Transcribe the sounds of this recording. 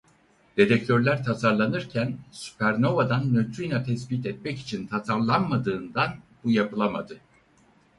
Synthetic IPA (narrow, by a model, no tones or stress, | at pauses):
d̪̥e̞d̪ɛc̚t̪ʰøɾlʲæɾt̪ʰasaɾlˠanɯɾcʰænsy̥pʰæɾno̞vad̪anmøt̪ʰɾijnat̪ʰɛsbit̪ɛt̪̚mɛci̥t͡ʃʰint̪ʰasaɾlˠanmad̪ɯːnd̪anbujapɯlˠama̰d̪ɯ